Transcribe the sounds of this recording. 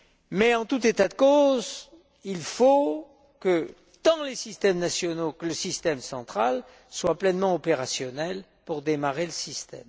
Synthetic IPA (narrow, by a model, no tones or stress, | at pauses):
mɛɑ̃t̪ut̪et̪ad̪əkoz | ilfo | kə | d̪̥ɑ̃lesist̪ɛmnasjɔnokələsist̪ɛmsɑ̃t̪χal | swaplɛnmɑ̃ɔpeʁasjɔnɛl | puʁd̪emaʁeləsist̪ɛ̰m